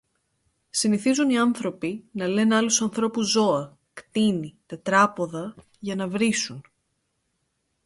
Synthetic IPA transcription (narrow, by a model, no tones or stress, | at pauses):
siniθizuniɐnθɾo̞pinɐle̞nɐlusɐnθɾo̞puzo̞ɐ | kt̪init̪e̞t̪ɾɐpo̞ðɐ | ʝɐnɐvɾisun